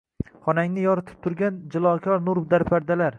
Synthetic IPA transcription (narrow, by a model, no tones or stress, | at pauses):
χɒnaŋnɪjɒɾɪt̪ʰɪ̥p̚t̪ʰʊɾɡʲand͡ʒɪlˠɒkʲʰɒɾnʊɾbd̪aɾpʰaɾd̪alaɾ